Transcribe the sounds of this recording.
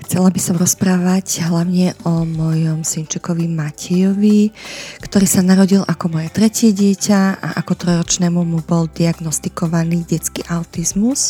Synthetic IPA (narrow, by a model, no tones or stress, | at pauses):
xt͡sɛlabisɔmɾɔspɾaːʋacɦlaʊɲɛʔɔmɔjɔmsint͡ʃɛkɔʋimacʰɛjɔʋikt̪ɔɾiːsanaɾɔɟilakɔmɔjɛt̪ɾɛcɪɛɟɪɛcaa̰ʔakɔt̪ɾɔjɾɔt͡ʃnɛːmumubɔld̪iaɡnɔst̪ikɔʋaniːɟɛt͡skḭːʔaʊt̪izmus